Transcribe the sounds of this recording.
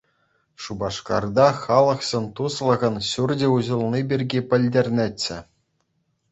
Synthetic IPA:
ʂubɑʂkɑ̰rd̪ɑχɑlˠɤ̆χsenʲt̪uslˠɤ̆ʁɤ̆nɕurd͡ʑʲɘ̆uʑɤ̆lˠnʲibʲirʲɡʲipʲɘ̆lʲdʲerʲnʲet͡ɕːɘ̆

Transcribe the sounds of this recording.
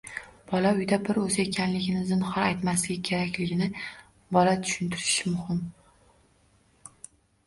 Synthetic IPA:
b̥ɒlaʊjd̪abɪɾozɪekʲʰanlɪɡʲɪnɪzɪnχɒɾajt̪maslɪɡʲɪkʲʰe̞ɾakʲlɪɡʲɪnɪ | bɒlat̪ʰʊ̥ʃʊnt̪ʰɪɾɪʃɪmʊhɪm

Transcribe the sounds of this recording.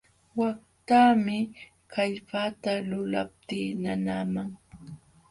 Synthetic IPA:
wak̚ | t̪aːmɪ | kaʎpat̪alʊla̰p̚t̪iːnanaːmaŋ

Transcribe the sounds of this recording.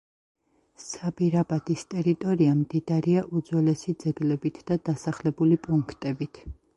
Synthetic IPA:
sabiɾabad̪̥ist̪ʼɛɾit̪ʼɔɾiamd̪id̪aɾiaʔud̪zwɛlɛsid̪zɛɡlɛbit̪ʰd̪̥ad̪asaχlɛbulipʼuŋkʰt̪ʼɛbit̪ʰ

